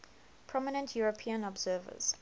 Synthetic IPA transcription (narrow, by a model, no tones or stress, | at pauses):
pʰɹ̥ɔmɪnə̃ntʰjuɹəpʰiə̃nɔbz̥ɜːvə̰z̥